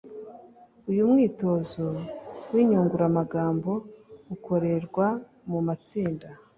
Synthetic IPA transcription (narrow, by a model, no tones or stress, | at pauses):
ujumŋiːto̞zo̞wiːɲuːŋɡuɾamaɡaːmbo̞uko̞ɾe̞ɾɡwa | mumat͡siːnda